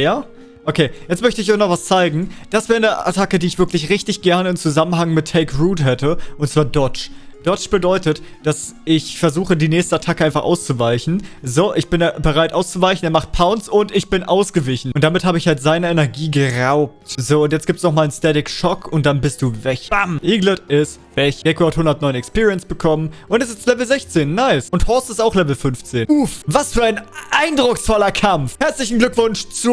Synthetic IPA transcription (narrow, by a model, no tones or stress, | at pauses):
jaː | ʔokʰeːjɛt͡stmœçtəɪçɔɪçnɔχv̥ast͡saɪɡŋ̩d̥asv̥ɛːʁənəa̰tʰakədiːɪçv̥ɪɐklɪçʁɪçtɪçɡ̥ɛɐnəɪmt͡suzamənɦaŋmɪtʰːɛɪkʁuːthɦɛtʰəʔʊntt͡sv̥aːɐdɔt͡ʃd̥ɔt͡ʃb̥ədɔʏtətd̥asɪçfɛɐzuːxədiːnɛːçstəatʰakəʔaɪnfaχʔa̰ʊst͡suvaɪçn̩zoːʔɪçb̥ɪnbəʁaɪtʔaʊst͡suvaɪçn̩eɛɐmaχt̚pʰaʊnsʊntɪçb̥ɪnʔaʊsɡ̥əvɪçn̩ʔʊnt̚d̥amɪthaːbəɪçhaltz̥aɪnəɛnɛɐɡiːɡəʁaʊp̚tzoːʊntjɛt͡stɡ̥iːptsnɔχmaːlənstɛtɪkʃɔkʰʊnt̚d̥anbɪst̚d̥uːvɛçb̥amʔiːɡlɪtɪstvɛç̥ɛkuathʊndɐtnɔʏnɛkspiːʁiənsb̥əkʰɔmənʔʊntɛs̬ɪstlɛvl̩zɛçt͡seːnːaɪsʊnthɔstɪstaʊxlɛvl̩fʏnft͡seːnufvasfyːɐaɪnʔaɪndʁʊksfɔlɐkʰamfhɛɐt͡slɪçn̩ɡlʏkv̥ʊnʃt͡su